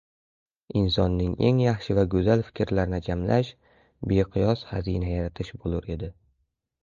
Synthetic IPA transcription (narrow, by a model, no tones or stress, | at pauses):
ɪnsɒnːɪŋe̞̰ŋjaχʃɪvaɡɵzalfɪ̥kʲʰɾlaɾɪnɪd͡ʒamlʔaʃ | beqʰɨjɒsha̰zinajaɾat̪ʰɪʃbolˠʊɾe̞d̪ɪ